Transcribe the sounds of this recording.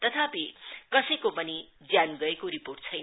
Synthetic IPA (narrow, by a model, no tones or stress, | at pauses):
t̪ʌt̪ʰapikʌsʌjkopʌni | d͡zjanɡʌekoɾiporʈ̚t͡sʰʌjn